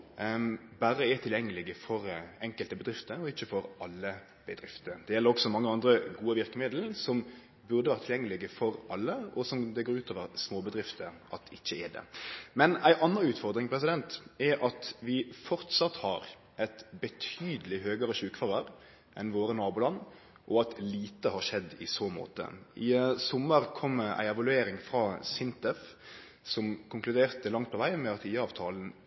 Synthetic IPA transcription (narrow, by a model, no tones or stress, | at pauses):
bæɾəɛt̪ʰɪljɛŋːəlɪɡəfɔɾɛŋkəlt̪əbəd̪ɾɪft̪əɾɔɪçːəfɔɾʔɑlːə | b̥əd̪ɾɪft̪əd̪ɛjɛlːəɾɔksɔmɑŋːəɑnd̪ɾəɡuːəʋɪɾkəmɪd̪l̩sɔm | bʉʁd̪əʋæːɾət̪ʰɪljɛŋːəlɪɡəfɔɾɑlːəɔsɔmd̪ɛɡoːɾʉːt̪ʰoːʋəʁsmoːbəd̪ɾɪft̪əʔɑt̪ɪçːəɛd̪ɛ̰mɛnæɪʔɑnːəʉːt̪fɔʁd̪ɾɪŋpʰɾɛs̬ɪd̪ɛnt̪ɛʔɑt̪ʋɪfɔʁt̪sɑt̪hɑɾ | ʔɛt̪bət̪ʰyːd̪əlɪɦøːɡəɾəʃʉːkfɑʁəɾ | ʔɛnʋoːɾənɑːbuːlɑnː | ʔɔɑt̪liːt̪əhɑɾʂɛd̪ːɪ̰soːmo̰ːt̪ə̰ʔɪsɔmːəɾkʰɔmːəæ̰ɪɛʋɑlʉeːɾɪŋfʁɑːsɪnt̪ɛf | sɔmkʰʊŋklʉd̪eːʁt̪əlɑŋt̪̚pʰɔʋæɪmɛɑt̪ʰiːəɑːʋt̪ʰɑːln̩